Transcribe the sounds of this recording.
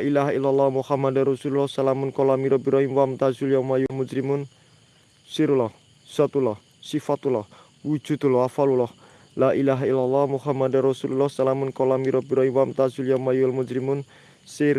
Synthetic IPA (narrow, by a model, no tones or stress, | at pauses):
aʔilaɦailːalːɑhmuhamadaɾɔsululɔhsalamʊnkɔlamiɾɔbiɾɔinwamt̪azuljawmajulmud͡ʒɾimun | siɾulɔh | sat̪ulɔh | sifat̪ulɔh | wu̥d͡ʒ̥ṳd̪ulɔafalulɔh | laʔilaɦailːalːɔhmuhamadarɔsululɔhsalamʊnkɔlamiɾɔbiɾɔinwamt̪azuljamajualmud͡ʒɾimun | si